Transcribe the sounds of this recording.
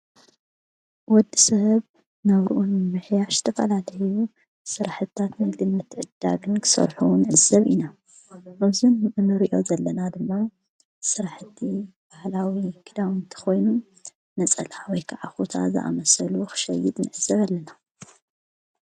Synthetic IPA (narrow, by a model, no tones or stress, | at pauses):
wɔd̪ːisɐβ | nɐβɾuʔunmɨħjaʃzɨ̥t̪ʰɐfɐ̰lalɐju | sɨɾaħɨt̪ʰːat̪najd̪ɨnːɨt̪ʰːɨʕɨd̪̥ːa̰ɡɨnkʰɨ̥sɐ̰ɾħunɨʕɨzɐβʔina | ʔɐzunɨnɨɾiʔo̞̰zɐlːɐnad̪ɨmːa | sɨɾaħɨt̪ʰːib̥ahlawikʰɨd̪awɨnt̪ʰɐ̥xo̞jnu | nɐt͡sʼɐ̰lawɔjkʰaʕaxut̪ʰa̰zɨ̰ʔa̰mɐsɐluxɨ̥ʃɐ̰jːɪt̪nɨ̰ʕɨz̥ːɐβalːɐna